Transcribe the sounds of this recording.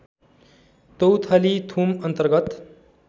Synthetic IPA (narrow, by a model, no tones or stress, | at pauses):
t̪owt̪ʰalit̪ʰumʌnt̪əɾɡʌt̪